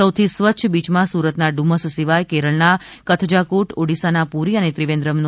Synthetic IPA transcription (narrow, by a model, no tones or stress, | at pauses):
əwt̪ʰisʋəːʃʰəbit͡ʃmãsuɾət̪naɖuməssiʋajkeɾəɭnakət̪ʰd͡ʒakuʈoɽisanapuɾiənet̪ɾiʋẽnd̪ɾəmnu